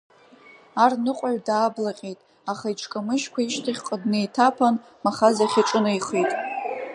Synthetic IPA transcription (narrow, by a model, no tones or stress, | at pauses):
arnɨqʷʼaɥdaːblaqʲʼejtʼ | aχajʈ͡ʂʰkʼamɨʃkʷaiʃtʰaχʲqʼədnejtʰapʰan | maχazaχʲiʈ͡ʂʼɨnaiχejtʼ